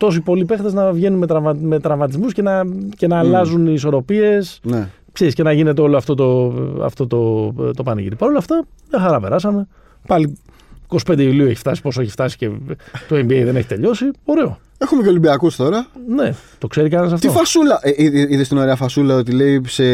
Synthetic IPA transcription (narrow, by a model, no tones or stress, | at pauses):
t̪o̞sipo̞lipe̞xt̪eznɐvʝe̞nunmet̪ɾɐvmɐme̞t̪ɾɐvmɐt̪̬izmusce̞nɐce̞nɐːlɐzuniːso̞ɾo̞pie̞sne | pçesce̞nɐʝine̞t̪eo̞loɐft̪o̞t̪o̞ɐ̰ft̪o̞t̪o̞t̪o̞pɐnḭḭt̪ipɐɾo̞lɐft̪ɐmɲɐxɐɾɐpeɾɐsɐme | pɐli | iko̞si̥pnd̪eiuliueçi̥ft̪ɐsi̥po̞soeçi̥ft̪ɐsi̥ce̞t̪oembiejðe̞ne̞çit̪e̞ʎo̞sio̞ɾe̞o̞̰ | exumeceo̞limbiɐkust̪o̞ɾɐne̞t̪o̞kse̞ɾikɐnsɐft̪iofɐsulɐʔiiðest̪inoɾeɐfɐsulɐot̪ile̞ise